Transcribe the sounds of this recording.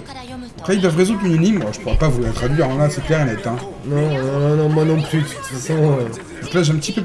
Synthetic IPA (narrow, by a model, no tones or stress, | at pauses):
apχɛild̪wavʁezũt̪yninimaʒə̥puʁɛpavulat̪χad̪ɥiʁɔ̃laseklɛʁenɛt̪ɛ̃ | lɔʁlɔmalɔ̃pχy | fasɔ̃ø | d̪̥ɔ̃klaʒeɛ̃pt̪ipø